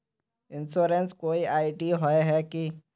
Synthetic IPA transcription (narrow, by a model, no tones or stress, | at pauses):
ɪnsoːɾenskoːiʔaːɪɖiɦoeɦɛki